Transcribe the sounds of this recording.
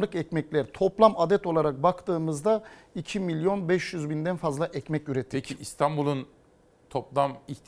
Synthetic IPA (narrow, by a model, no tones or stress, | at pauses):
lˠɯkɛcmɛclʲæɾt̪ʰo̞plˠamad̪ɛt̪o̞lˠaɾak̚bakt̪ɯːmɯzd̪a | icʰimilʲjo̞nbɛʃjyzbind̪ænfazlˠaʔɛcmɛcyɾɛt̪ʰːeciist̪ʰanbulˠun | t̪ʰoplˠamiçt̪